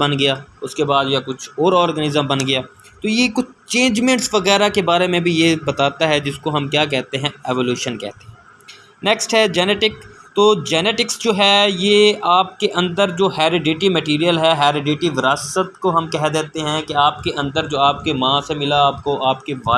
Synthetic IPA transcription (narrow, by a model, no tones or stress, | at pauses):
bɐnɡɐjaːʊskebaːd̪jakʊt͡ʃʰɔːɾɔːɾɡənɪzəmbɐnɡɐjaː | t̪ojekʊt͡ʃʰt͡ʃẽːɲd͡ʒmẽːɳʈsʋɐɣɛːɾakebaːɾemẽbʱijebɐt̪aːt̪aɦɛd͡ʒɪskoɦɐmkjaːk̬ɛɦt̪eɦɛ̃ɛːʋoːljuːʃənkɛ̰ːɦt̪e̥ | nɛksʈɦɛd͡ʒɛːnɛːʈɪkt̪oːd͡ʒɛːneːʈɪksd͡ʒoːɦɛjeaːp̚keʔɐ̃nd̪əɾd͡ʒoːɦɛːɾɪɖeːʈimɛʈiːɾijəlɦɛɦɛːɾɪɖeːʈiʋɪɾaːsət̪koɦɐmkɛɦd̪eːt̪eɦɛ̃keaːpkeʔɐ̃nd̪əɾd͡ʒoːaːp̚kemãːsemɪlaaːp̚koaːpkeʋaː